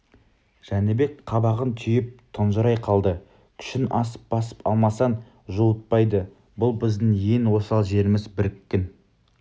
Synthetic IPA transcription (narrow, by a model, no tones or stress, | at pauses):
ʒ̥ænebe̞k̚qʰɑbɑʁənt̪ʰʏjɪp̚t̪ʰənʒəɾɑjqʰɑlˠd̪ə | kʲʰʏ̥ʃɪnʔɑsə̥p̚bɑsə̥pɑlˠmɑsɑn | ʒuwət̪̚pɑjd̪ə | bʊlˠbɪzd̪ɪŋjenwo̞sɑlˠʒe̞ɾɪmɪzbɪɾɪkʲːɪn